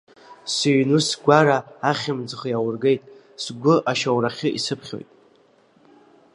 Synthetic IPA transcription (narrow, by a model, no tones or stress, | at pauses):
siɥnusɡʷaɾaːχʲɪmd͡zχjawʊrɡe̞jtʼ | sɡʷʊʔaʃawraχʲɪʔisɨpʰχʲo̞̰jtʼ